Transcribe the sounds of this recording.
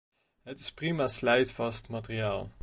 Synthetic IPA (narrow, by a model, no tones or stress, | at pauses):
ɦətɪ̥sprimaːslɛjtfɑstmatərijaːlˠ